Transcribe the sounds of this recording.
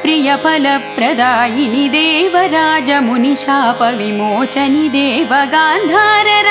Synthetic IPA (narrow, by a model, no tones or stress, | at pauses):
pɾijɐpʰɐlɐpɾɐd̪aːjinid̪ɛeːʋɐɾaːd͡ʒɐmuniʃaːpɐʋimoːt͡ʃɐnid̪eːʋɐɡaːnd̪ʱaːɾɐɾ